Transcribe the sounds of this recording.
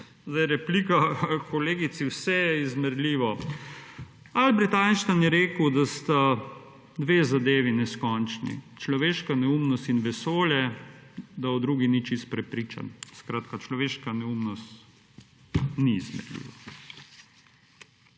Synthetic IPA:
zd̪ajɾɛplikakɔleːɡit̪siwsɛjɛizmɛɾlʲiːʋɔ | albɾit̪anʃt̪anjɛɾeːkəwd̪ast̪a | d̪ʋeːzad̪eːʋinɛskɔnt͡ʃnḭt͡ʃlɔʋeːʃkanɛumnɔst̪inʋɛsoːljɛ | d̪aɔd̪ɾuːɡinit͡ʃist̪pɾɛpɾiːt͡ʃa̰nskɾaːt̪kat͡ʃlɔʋeːʃkanɛumnɔst̪ | niːzmɛ̰ɾlḭːʋa

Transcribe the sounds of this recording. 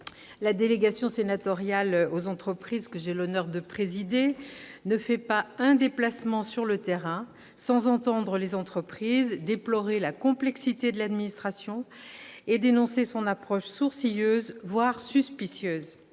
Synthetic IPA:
lad̪eleɡasjɔ̃senat̪ɔʁjalozɑ̃t̪χəpχizkəʒelɔnœʁd̪əpχezid̪enəfɛpaɛ̃d̪eplasmɑ̃syʁlət̪eʁɛ̃ | sɑ̃zɑ̃t̪ɑ̃d̪ʁəlezɑ̃t̪χəpχizd̪eplɔʁelakɔ̃plɛksit̪ed̪əlad̪minist̪χasjɔ̃ | ed̪enɔ̃sesɔ̃napχɔʃsuʁsijøːzvwaʁsyspisjøːz

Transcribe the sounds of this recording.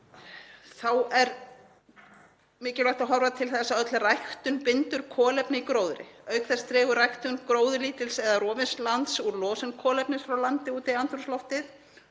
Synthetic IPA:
θawɛɾ | mɪːcɪlajht̪aɦɔvɾat̪ʰɪlθɛsːaœt̪lrajxt̪ʏnpɪnt̪ʏɾ̥kʰɔːlɛpnɪikɾoːwðʏɾɪ̰œːɥkθɛst̪ɾɛːɣʏrajht̪ʏnkɾoːwðʏliːt̪ɪlsɛðarɔːvɪnslant̪suɾlɔːsɛnkʰɔːlɛpnɪsfɾawlant̪ɪuːt̪ɪiant̪ɾuslɔft̪ɪθ

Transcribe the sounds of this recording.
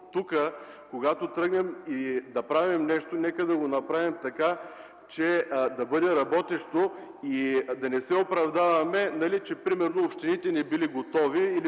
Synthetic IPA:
t̪ukə | koɡat̪ot̪ɾɤɡnɛmid̪ɐpɾavimnɛʃt̪onɛkəd̪ɐɡonɐpɾavimt̪ɐka | t͡ʃɛd̪ɐbɤd̪ɛɾɐbɔt̪ɛʃt̪o | id̪ɐnɛsɛopɾɐvd̪avɐmɛnɐlit͡ʃɛpɾimɛɾnoːpʃt̪init̪ɛnɛbiliɡot̪ɔviːli

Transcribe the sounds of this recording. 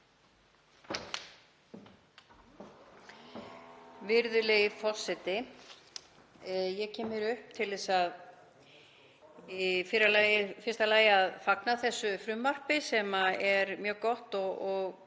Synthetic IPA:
vɪɾðʏlɛɣɪfɔ̥sːɛt̪ɪ | jɛɣcʰɛːmɪɾʏhp̚t̪ʰɪlðɛsað | ifɪɾalajɪfɪrst̪alaːjɪaðfaknaθɛsːʏfɾʏmːar̥pɪsɛmaɛɾmjœːɣkɔht̪ɔɔɣ

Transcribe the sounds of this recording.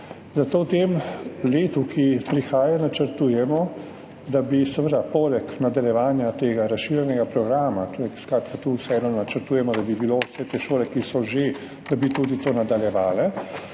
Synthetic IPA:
zat̪oːwt̪emleːt̪ukʰipɾixaːjanat͡ʃəɾt̪uːjɛmɔ | d̪abisɛʋəd̪apoːlɛknad̪aljɛʋaːnjat̪eːɡaɾasʃiːɾjɛnɛɡapɾɔɡɾaːmat̪oɾɛskɾaːt̪kat̪uwsɛɛnɔnat͡ʃəɾt̪uːjɛmɔd̪abibilosɛt̪eʃoːlɛkisɔʒe | d̪̥abit̪uːd̪it̪oːnad̪aljɛʋaːlɛ

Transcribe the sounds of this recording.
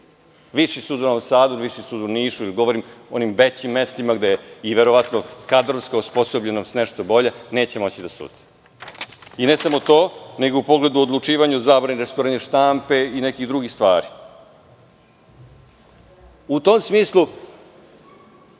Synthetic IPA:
ʋiʂisuːd̪unasaːd̪uʋiʃisuːd̪uniːʃuiliɡo̞ʋoɾimonimbet͡ɕimːest̪imaɡd̪ejeiʋe̞ɾoʋat̪nokad̪ɾonskausposobʎe̞nosneʃt̪obo̞ʎene̞ːt͡ɕe̞mo̞t͡ɕid̪asṵːd̪̥i̥ | inesamo̞t̪o̞ːneɡoupo̞ɡle̞d̪uod̪lˠut͡ʂiːʋaɲuzaːbɾaniɾest̪oɾaneʃt̪ampe̞inekid̪ɾuɡixst̪ʋaːɾi | ut̪omsmiːslˠu

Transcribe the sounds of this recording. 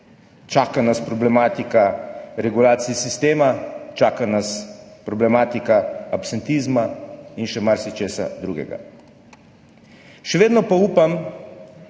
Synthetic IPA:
t͡ʃaːkanaspɾɔblɛmaːt̪ikaɾɛɡulaːt̪siisist̪eːmat͡ʃaːkanaspɾɔblɛmaːt̪ikaapsɛnt̪izmainʃɛmaɾsit͡ʃeːsa̰d̪ɾuɡɛ̰ɡa̰ | ʃɛʋeːd̪nɔpauːpam

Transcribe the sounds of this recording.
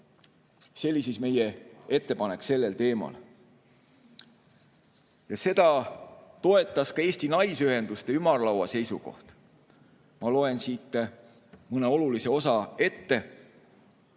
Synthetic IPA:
se̞lʲːisisme̞jee̞t̪ːe̞pɑne̞kːse̞lːe̞lt̪e̞ːmɑ̰l | jɑse̞d̪̥ɑt̪o̞e̞t̪ˑːɑskɑe̞ːsʲt̪inɑjsyɦe̞nd̪ust̪e̞ymɑrlɑwɑ̰se̞jsṵko̞̰ht̪ | mɑlo̞e̞nsiːt̪ːe | mɯne̞o̞lulise̞o̞sɑe̞t̪ːe̞

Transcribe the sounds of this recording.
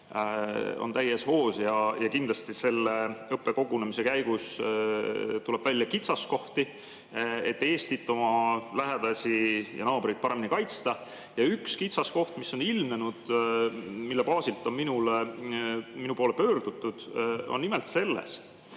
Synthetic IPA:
o̰nt̪æjːesho̞ːsjɑjɑkind̪lɑst̪ise̞lːeɤpˑːe̞ko̞ɡ̥unemise̞kæjɡus | t̪ule̞b̥vælʲːjɑkit̪sɑsko̞ht̪i | et̪ːe̞ːst̪it̪ːˑo̞mɑlæɦe̞d̪̥ɑsʲijɑ̰nɑːb̥ɾijt̪̚pɑɾe̞minikɑjt̪st̪ɑ | jɑykskit̪sɑsko̞ht̪misːo̞nilmnenud̪̥ | milːepɑːsilt̪ːˑo̞nminule | minupoːlepø̞ːɾd̪̥ut̪ːˑud̪̥onːimelt̪se̞lːḛs

